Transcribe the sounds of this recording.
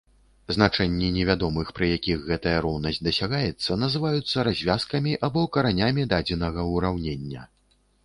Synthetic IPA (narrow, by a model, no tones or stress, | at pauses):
znat͡ʂɛnʲːinʲɛvʲad̪ɔmɨxpɾɨjakʲiɣɣɛt̪ɐjɐɾɔwnɐsʲtʲd̪ɐsʲaɣajɛt̪sːɐnɐzɨvajut̪sːɐɾazʲvʲaskɐmʲiʔabɔkɐɾanʲamʲid̪ad͡zʲɛnɐɣɐuɾawnʲenʲːɐ̰